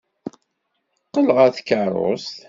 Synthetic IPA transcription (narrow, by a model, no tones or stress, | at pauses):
qːələʁæθkːəɾˤo̰st̪